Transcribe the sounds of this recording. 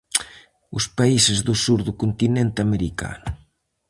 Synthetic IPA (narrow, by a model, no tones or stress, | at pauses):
ʊspaisɪzðʊsuɾðʊkont̪inent̪ɪameɾika̰nʊ